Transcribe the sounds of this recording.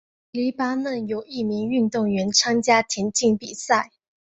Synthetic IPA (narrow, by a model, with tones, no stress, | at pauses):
li˧˥pa˥nə˥˩njo˨˩ʊi˥˩mi˧˥ŋy˥˧nt̪ʊ˥˩ŋɥɛ˧˥nʈ͡ʂʰa˥ŋt͡ɕja˥t̪ʰjɛ˧˥nt͡ɕi˥˩ŋpi˨˩sa˥˩ɪ